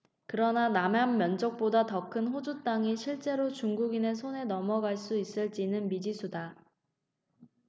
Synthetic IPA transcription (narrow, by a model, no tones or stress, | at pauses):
kɯɾʌnanamammjʌnd͡ʑok̚p͈odatʌkʰɯnɸod͡ʑut͈aŋiɕʰiɭt͡ɕ͈e̞ɾot͡ɕuŋɡuɡine̞sʰone̞nʌmʌɡaɭs͈uis͈ɯɭt͡ɕ͈inɯnmid͡ʑisʰuda